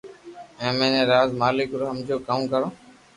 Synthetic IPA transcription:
ẽːmẽːnẽːɾaːzmaːlɪkɾoɦəmd͡ʒoːkəmkəɾõː

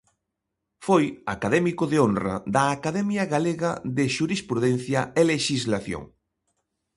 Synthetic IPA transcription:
foja̰kaðɛmikʊðeonrɐ̰d̪ɐːkaðɛmjɐɣaleɣɐðeʃuɾispɾuðɛn̟θjɐeleʃizlaθjo̰ŋ

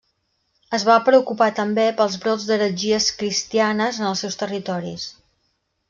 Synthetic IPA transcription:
əzβapɾəukupat̪əmbepəlˠzβɾod͡zd̪əɾəʒiəskɾist̪ianəzənəlˠsɛwst̪ərit̪ɔɾḭs

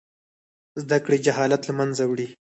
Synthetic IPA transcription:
zd̪akɽed͡ʒaɦɑlat̪lamanzawɽi

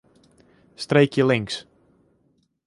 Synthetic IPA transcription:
streːkʰjəlɪŋks

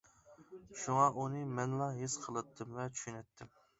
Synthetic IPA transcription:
ʃuŋɑʔunɨmɛnlˠɑɦesqʰəlˠɨt̪ʰːɨmvɛt͡ʃʰy̥ʃynɛt̪ʰːɪm

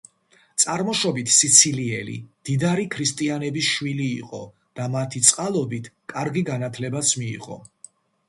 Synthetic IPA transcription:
t̪sʼaɾmɔʃɔbit̪ʰsit̪sʰiliɛlḭd̪̥id̪aɾikʰɾist̪ʼianɛbisʃwiliːqʼɔ̰ | d̪̥amat̪ʰit̪sʼqʼalˠɔbit̪ʰkʼaɾɡiɡanat̪ʰlɛbat̪sʰmḭːʁɔ̰

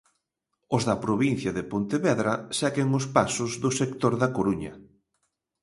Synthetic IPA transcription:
ʊzðɐpɾoβin̟θjɐðɪpont̪eβɛðɾɐsɛɣeŋʊspasʊzðʊsekt̪oɾðɐkoɾuɲɐ̰

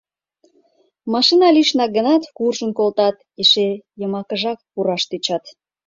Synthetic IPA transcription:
mɑʃinɑliʃnɑɡə̆nɑt̪kurʒənkolt̪ɑt̪ | eʃejəmɑkəʒɑkpuɾɑʃt̪it͡ɕɑt̪

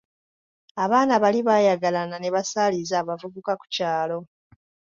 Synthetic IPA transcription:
aβaːnaβaliβaːjaɡalanane̞βasaːlizaːβavuβukaku̥caːlo̞

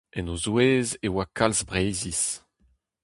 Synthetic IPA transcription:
ɛnozweːzewakʰalzbʁejzis

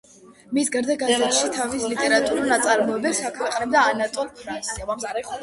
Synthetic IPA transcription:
misɡaɾd̪aɡasɛt̪ʃit̪ʰavislit̪ʼɛɾat̪ʼuɾunat̪sʼaɾmɔɛbɛpsakʰwɛqʼnɛbd̪aːnat̪ʼɔlpʰɾansiava

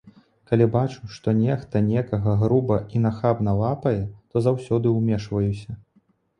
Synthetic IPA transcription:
kalʲibat͡ʂuʂt̪ɔnʲɛxt̪ɐnʲɛkɐɣɐɣɾubɐʔinɐxabnɐvapɐjɛt̪ɔzawsʲɔd̪ɨwmʲɛʂvɐjusʲɐ

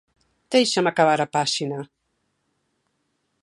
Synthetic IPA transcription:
d̪̥ejʃamakaβ̞aɾapaʃina

